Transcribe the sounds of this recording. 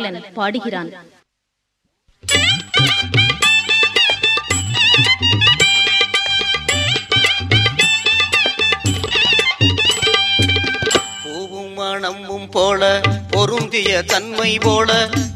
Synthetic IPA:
lɐnpaːɽɯɣɪraːn | poːʋɯmaːɳɐmbɯmpoːlɐpɔɾɯnd̪ɪjɐt̪ɐnmɐɪpoːlɐ

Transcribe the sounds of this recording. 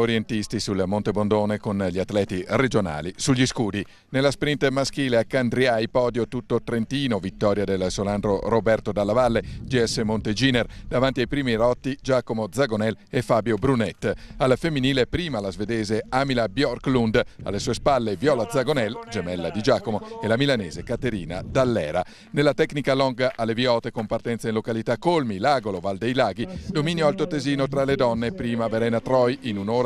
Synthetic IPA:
oɾjent̪ist̪isulmont̪ebond̪oːnekonʎiat̪ːlɛːt̪ired͡ʒona̰ːlisuʎːiskuːd̪i | nelːaspɾint̪mask̟iːleakːand̪ɾiajpɔːd̪jot̪ut̪ːot̪ɾent̪iːnovit̪ːɔːɾjad̪elsolanɖɾorobɛrt̪od̪alːavalːed͡ʒiɛsːemont̪ed͡ʒiːnerd̪avant̪iajpɾiːmiɾɔt̪ːid͡ʒaːkomod̪zaɡonɛlefaːbjobɾunɛt̪ːalfemːiniːlepɾiːmalazved̪ɛːzeamilabjɔrklund̪a̰lːesuːespalːevjɔːlad̪zaɡonɛld͡ʒemɛlːa̰d̪id͡ʒaːkomoelamilaneːzekat̪eɾḭːna̰d̪alːɛ̰ːɾa̰ | nelːat̪ɛknikalɔŋɡaʔalːevjɔːt̪ekompart̪ɛnt̪sainlokalit̪akːolmilaɡolovald̪ejlaːɡid̪omiːnjoalt̪ot̪eziːnot̪ɾaled̪ɔnːepɾiːmaveɾɛːnat̪ɾɔjinunoːɾ

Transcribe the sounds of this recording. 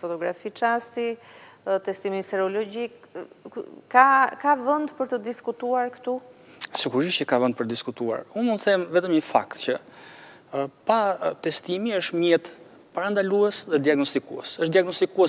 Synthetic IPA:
fɔt̪ɔɡɾafit͡ʃast̪i | t̪ɛst̪imisɛɾɔlɔɟik | kakavənd̪pəɾt̪əd̪iskut̪uaɾkə̥t̪u | siɡuɾiʃɛkavənd̪pəɾt̪əd̪iskut̪ua̰ɾunmunt̪θɛmvɛt̪əmɲəfa̰kt̪cə | pat̪ɛst̪imiəʃt̪mjɛt̪ | paɾand̪aluɛsðɛd̪iaɡnɔst̪ikuɛsəʃd̪iaɡnɔst̪ikuɛ

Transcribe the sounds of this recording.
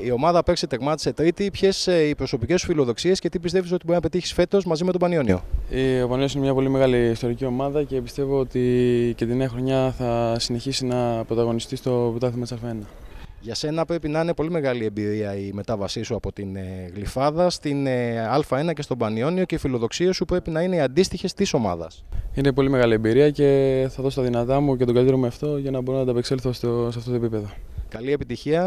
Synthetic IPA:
io̞mɐðɐpe̞ksit̪eɣmɐt̪i̥se̞t̪ɾit̪ipçe̞sipɾo̞so̞pice̞su̥filo̞ðo̞ksie̞scet̪ipist̪e̞viso̞t̪iboinɐpe̞t̪içi̥sfe̞t̪o̞zmɐzimet̪obɐnio̞nio̰iobɐnioinemɲɐpo̞lime̞ɣɐliist̪o̞ɾicio̞mɐðɐce̞pist̪e̞vo̞ot̪icet̪ineɐxɾoɲɐθɐsine̞çisinɐpɾo̞t̪ɐɣonist̪ist̪o̞pt̪ɐlθimɐt̪sɐlfɐenɐʝɐse̞nɐpɾe̞pinɐine̞po̞lime̞ɣɐlie̞mbiɾiɐime̞t̪ɐvɐsisuɐpo̞t̪ineɣlifɐðɐst̪inɐlfɐe̞nɐce̞st̪o̞bɐnio̞nio̞ce̞ifilo̞ðo̞ksiosupɾe̞pinɐine̞ɐnd̪ist̪içe̞st̪iso̞mɐ̰ðɐ̰sine̞po̞lime̞ɣɐliembiɾiɐce̞θɐðo̞st̪ɐðinɐt̪ɐmucet̪oɡɐlit̪eɾomeɐft̪o̞ʝɐnɐboɾonɐt̪ɐpekselθososeɐft̪ot̪oepipe̞ðo̞kɐlie̞pit̪içiɐ

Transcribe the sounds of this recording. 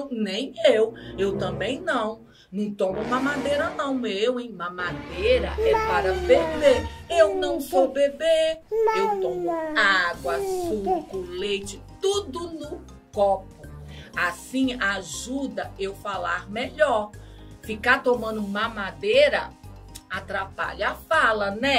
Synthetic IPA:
nẽj̃ewewt̪ɐ̃bẽj̃nɐ̃w̃ | nɐ̃w̃t̪õmʊumɐmad̪eɾɐnɐ̃w̃ewẽj̃mɐmad̪ejɾɐ̰ɛpaɾɐveɾd̪eewnɐ̃w̃sobebeewt̪õmʊaɡwɐsukʊlejt͡ʃɪt̪ud̪ʊnʊ | kɔpʊasĩaʒud̪ɐewfala̰ɾmeʎɔɾfikaɾt̪omɐ̃nd̪ʊũmɐmad̪eɾɐ | at̪ɾapa̰ʎafalɐnɛ

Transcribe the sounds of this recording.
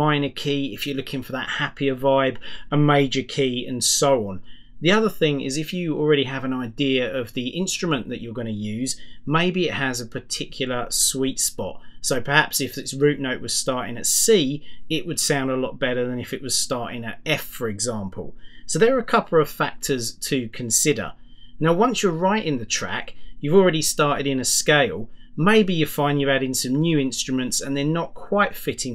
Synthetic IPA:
mãɪ̃nəkʰiːɪfjəlʊkʰɪ̃ŋfəðə̰ʔ̚hapiəvaɪbəmeɪd͡ʒəkʰiːə̰̃nsəʊɒ̃n | ðiʌðəθɪ̃ŋɪ̰zɪfjəəlˠɹɛɾiəvə̃naɪdɪəəvðiʔɪ̃nstɹ̥əmə̃nðɨt͡ʃə˞ɡʌñəjʉːzmeɪbiɪʔhəzəpʰə˞tʰɪkʰjl̩ˠəswiˑtspɒ̰t̚səʊpʰə˞hæpsɪfɪtsɹʉˑʔnəʊʔ̚wʌz̥stɑɹɾɪ̰̃ŋɨtsiːɪʔwəd̥sãʊ̃ndəlɒʔ̚b̥ɛɾəðə̃nɪfɨʔwʌz̥stɑɹtɪ̰̃ŋə̰tɛfəɹɪɡzɑ̃ˑmpʰə̰lˠsəʊðə˞əəkʰʌpʰl̩ˠəv̥fæk̚tʰəz̥tʰɨkʰə̃nsɪɾə̰˞ | naʊwʌ̃nsjəɹaɪʔɪ̃ŋðətʰɹ̥æ̰kjʉvlˠɹɛɾistɑɹtɪɾɪ̃nəskeɪlˠmeɪbijə̥fãɪ̃njɨvaɾɪ̃ŋsʌ̃mnjʉːɪ̃nstɹ̥əmə̃ntsə̃nðə˞nəʔ̚kʰw̥aɪtfɪtɪ̃ŋ

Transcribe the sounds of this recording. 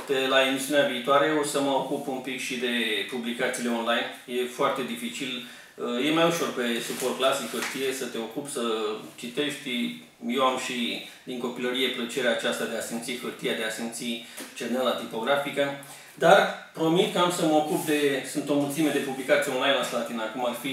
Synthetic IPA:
t̪elae̞misiuneaviːt̪oaɾe̞osəməokupunpikʃid̪e̞publikat̪sile̞o̞nlajn | je̞foart̪e̞d̪ifit͡ʃil | je̞majuʃo̞rpe̞supo̞rt̪̚klasikərt̪ijesət̪e̞o̞kupsət͡ʃit̪e̞ʃt̪ʲ | je̞wamʃi | d̪iŋko̞piləɾije̞plət͡ʃe̞ɾeat͡ʃast̪ad̪e̞asint̪sikərt̪ijad̪e̞asint̪sit͡ʃenenlat̪ipo̞ɡɾafikə | d̪arpɾo̞mit̪̚kəamsəməo̞kup̚d̪e̞sɨnt̪o̞mult̪sime̞d̪e̞publikat̪sieonlajnlast̪at̪inakumarfi

